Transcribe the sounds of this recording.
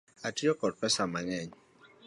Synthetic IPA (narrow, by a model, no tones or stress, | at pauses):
atjɔkɔd̚pɛsamaɲɛɲ